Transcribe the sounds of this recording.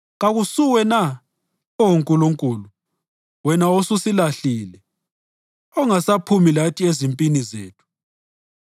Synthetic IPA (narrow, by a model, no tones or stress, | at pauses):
ɣaɣusuwɛna | ɔwuŋkʼuluŋkʼuːlu | wɛnaosusilaɬiːlɛ | ɔŋasapʰumilatʰʼiezimpʼinizḛːtʰu̥